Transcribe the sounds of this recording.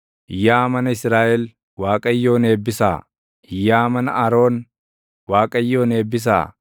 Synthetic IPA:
ʔɪjːaːmɐnɐɪsɾaːʔɛl | waːkʼɐjːo̞ːne̞ːbːɪsa̰ː | ɪjːaːmɐnɐ̰ɐɾo̞ːn | waːkʼɐjːo̞ːneːbːɪs̬a̰ː

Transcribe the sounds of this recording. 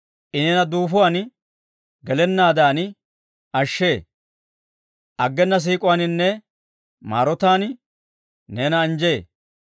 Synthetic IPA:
ʔɪnenɐd̪uːfʊwan | ɡɛlɛnːaːd̪aːn | ʔɐʃːe̞ː | ʔɐɡːɛnːɐs̬iːkʼʊwaːnɪnːɛ | ma̰ːɾɔt̪aːn | neːnɐːnd͡ʒeː

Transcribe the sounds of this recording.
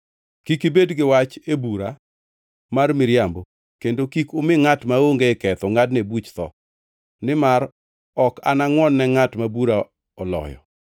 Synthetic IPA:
kikibedɡɪwat͡ʃebuɾa | marmɪɾjambo | kendokikʊmɪŋatmaoŋɡekɛt̪ɔŋadnebut͡ʃt̪ɔ̰ | nɪmaɾ | ɔka̰naŋwɔnːɛŋatmabuɾa | ɔlɔ̰jɔ̰

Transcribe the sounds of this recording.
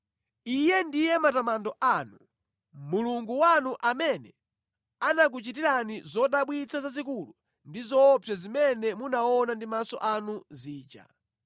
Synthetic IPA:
ijɛndijɛmatamandɔʔanu | muluŋɡuwanuʔamɛnɛ | anak̬ut͡ʃitiɾanizɔɗaɓwit͡sʰazazik̬ulu | ndizɔpʰɛzimɛnɛmunaɔnandimasɔ̰ʔanuziːd͡ʒa̰

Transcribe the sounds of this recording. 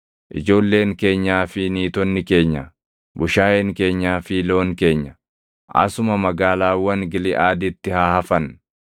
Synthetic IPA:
ʔɪ̰d͡ʒo̞ːlːe̞ːŋke̞ːɲːaːfɪniːt̪ɔnːɪke̞ːɲːɐ | bʊʃaːjeŋke̞ːɲːaːfɪlo̞ːŋke̞ːɲːɐ | ʔɐ̰sʊmɐmɐɡaːlaːwɐŋɡɪlɪʔaːd̪ɪt̪ːɪhaːhɐfɐn

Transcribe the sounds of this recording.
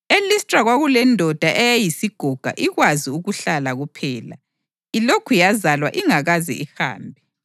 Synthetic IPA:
elistʼraɣwaɣulɛndʱɔd̥ʱaʔɛjajisiɡ̥ʱɔɡ̥ʱa̰ʔiɣwaziuɣuɬalaɣupʰɛːla̰ | ilokʰujazalwa̰ʔiŋaɣazɛ̰ʔiha̰ːmbʱɛ

